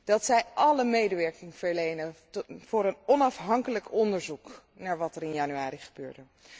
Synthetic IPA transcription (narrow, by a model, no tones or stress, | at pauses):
d̥ɑtsɛjʔɑləmejdəʋɛɹkɪŋv̥əɹlejnəv̥ʊːɾənɔnɑfɦɑŋkələkɔndəɹzuk | naːɹʋɑtɛɾɪnjanyaːɾiχəbøːɹdə